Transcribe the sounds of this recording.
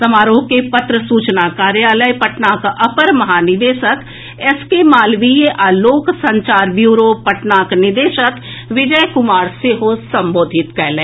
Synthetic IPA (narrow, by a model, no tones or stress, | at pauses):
sɐmaːɾoːkepɐt̪ɾəsuːt͡ʃnakaːɾjaːləjpɐʈnaːkɐpəɾmɐɦaːnɪd̪eːʃək | ɛskemaːlʋieʔaːloːksɐ̃ɲt͡ʃaːɾʋjuːɾopɐʈnaːknɪd̪eːʃək | ʋɪd͡ʒəjkʊmaːɾseɦosɐ̃mboːd̪ʱɪt̪kɛɦleː